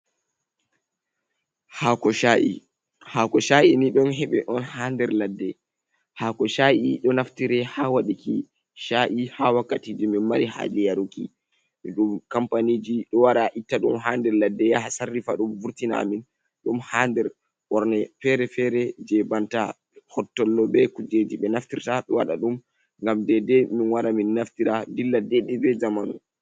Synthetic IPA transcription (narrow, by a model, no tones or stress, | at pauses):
hakɔaḭ | hakɔʃaʔiniɗɔnɦɛɓɛ̰ʔɔnhandɛɾladːɛ | hakɔʃaʔiɗɔnaftiɾɛhawaɗikḭ | ʃaʔihawakːatiːd͡ʒiminmaɾiha̰d͡ʒɛjaɾukḭ | miɗumkampanid͡ʒiɗɔwaɗaʔitːaɗumɦaːndɛɾladːɛjahasarːifaɗumvuɾtina̰min | ɗumhandɛɾ | wɔɾnɛfɛɾɛfɛɾɛd͡ʒɛbanta | hɔtːɔlːɔɓɛkud͡ʒed͡ʒiɓɛnaftiɾtaɓɛwa̰ɗa̰ɗum | ŋɡamdɛdɛminwaɾaminːaftiɾadilːadːɛdɛbɛzamanu